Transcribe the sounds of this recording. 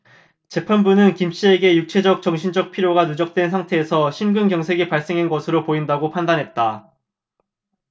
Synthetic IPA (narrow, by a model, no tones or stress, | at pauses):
t͡ɕe̞pʰanbunɯnkimɕ͈ie̞ɡe̞juk̚t͡ɕʰe̞d͡ʑʌk̚t͡ɕʌŋɕʰind͡ʑʌk̚pʰiɾjoɡanud͡ʑʌk̚t͈we̞nsʰaŋtʰe̞ːsʰʌɕʰimɡɯnkjʌŋsʰe̞ɡipaɭs͈e̞ŋɦenɡʌsʰɯɾopoindaɡopʰandanɦe̞t̚t͈a